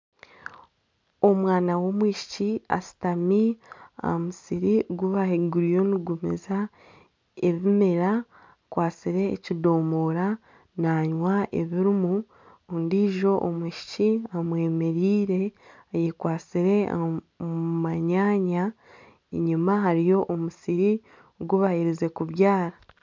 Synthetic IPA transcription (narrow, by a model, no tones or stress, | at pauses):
omwaːnawo̞mwiːʃi̥cia̰si̥tamia̰musiɾiɡuβaheɡuɾijoniɡumḭza | eβimeɾa | kwaːsiɾe̞̰ːcido̞ːmoɾa | naɲwaḛβiɾimu | ondiʒo̞ʔomuʃi̥ciamwe̞ːme̞ɾiːɾe̞ | ajekwaːt͡siɾe̞ | maɲaːɲa | ɲimaɦaɾijo̞ʔomusiɾi | ɡuβahiɾize̞kuβjaːɾa